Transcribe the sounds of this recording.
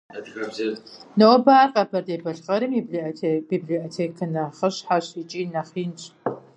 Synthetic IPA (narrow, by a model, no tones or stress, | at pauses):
nɐwɔbaːrqʼɐbʰɐrdeːbɐɬqɐɾɨmibɮb̥ibɮiotʰeːkʰɨnɐχəɕħaɕit͡ʃʼiːnɐχiːnɕʼ